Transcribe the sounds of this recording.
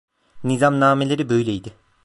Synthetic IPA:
nizamnaːmelʲe̞ɾibø̞jlʲejd̪ɪ

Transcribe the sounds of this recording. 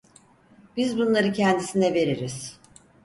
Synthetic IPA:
b̥izbunlˠaɾɯcʰɛnd̪isinɛve̞ɾiɾiz̥

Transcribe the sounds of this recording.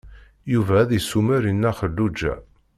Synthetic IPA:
juvæðisumæɾinːæχəlːud͡ʒːæ̰

